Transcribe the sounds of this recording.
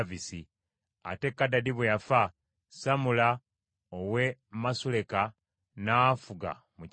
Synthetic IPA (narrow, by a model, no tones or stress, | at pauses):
visi | a̰te̞kːadadiβwejafa | samula | owe̞masule̞ka | naːfuɡa̰ | mu